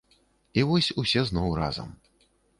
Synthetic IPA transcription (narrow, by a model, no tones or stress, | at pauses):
ivɔsʲusʲɛznɔwra̰zɐ̰m